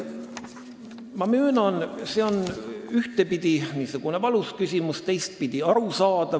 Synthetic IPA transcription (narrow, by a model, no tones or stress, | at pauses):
mɑmyːnɑnseo̞nyht̪e̞pid̪̥iniːsuɡ̥une̞vɑluskysʲimust̪e̞jst̪̚pid̪̥iɑɾusɑːd̪̥ɑ